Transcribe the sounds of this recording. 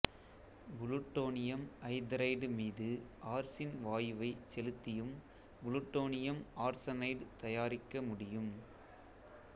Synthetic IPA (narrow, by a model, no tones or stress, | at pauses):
ɡʊlʊʈːoːnɪjɐmʔɐɪd̪ɾɐɪɖmiːðɯʔaːɾsɪnʋaːjɯʋɐɪt͡ʃɛlɯt̪ːɪjɯm | ɡʊlʊʈːoːnɪjɐmaːɾsɐnɐɪɖt̪ɐjaːɾɪkːɐmʊɽɪjɯm